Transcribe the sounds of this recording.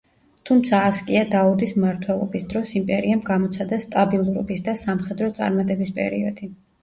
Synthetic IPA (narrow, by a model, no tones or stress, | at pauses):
t̪ʰumt̪sʰaːskʼiad̪aud̪ismaɾt̪ʰwɛlˠɔ̰bisd̪ɾɔsimpʼɛɾiamɡamɔt̪sʰad̪ast̪ʼabilˠuɾɔ̰bisd̪asamχɛd̪ɾɔt̪sʼa̰ɾmat̪ʼɛbispʼɛ̰ɾiɔd̪̥i